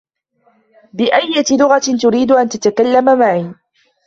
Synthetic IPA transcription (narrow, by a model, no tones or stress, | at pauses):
bɪʔajːat̪ɪlʊɣat̪ʊɾiːd̪ʊʔant̪at̪akalːamamaʕiː